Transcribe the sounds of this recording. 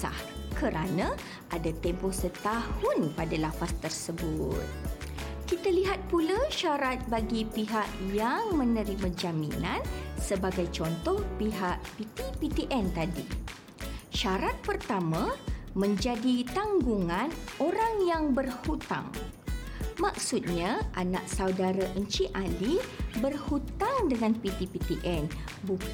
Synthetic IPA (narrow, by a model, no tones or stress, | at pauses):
a̰hkəɾʔanã | ʔadat̪ɛmpɔsət̪ahʊnpadalafast̪ərsəbut̪̚kit̪aliɦat̪̚pulaʃaɾat̪̚baɡipiɦaʔjaŋmə̃nə̃ɾimãd͡ʒamḭ̃nansəbaɡajt͡ʃɔnt̪ɔhpiɦaʔpit̪ipit̪iʔɛnt̪adḭ | ʃaɾat̪̚pərt̪amãmə̃ɲd͡ʒadit̪aŋɡuŋãnoɾaŋjaŋbərhut̪a̰ŋ | maksut̪̚ɲãʔanã̰ʔ̚sawdaɾaʔəɲt͡ʃiʔalibərhut̪aŋdəŋãnpit̪ipit̪iʔɛn | bu